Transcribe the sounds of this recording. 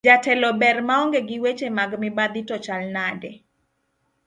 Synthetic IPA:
d͡ʒatɛlɔbɛrmaɔŋɡeɡɪwet͡ʃemaɡmɪbad̪itɔt͡ʃalnadɛ

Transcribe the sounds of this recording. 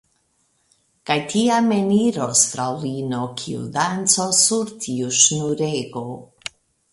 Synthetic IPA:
kajtiame̞niɾostɾawlinokʰḭṵdant͡sosuɾtʰiuʃnuɾeɡo

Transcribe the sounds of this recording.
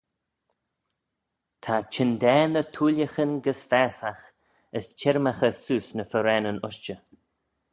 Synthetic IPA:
t̪ʰat͡ʃʰɪnd̪ɛːnət̪ʰuːljəxənɡəsfɛːsax | əst͡ʃʰɛɾmaxəsuːsnəfəɾɛnənʊʃt͡ʃə

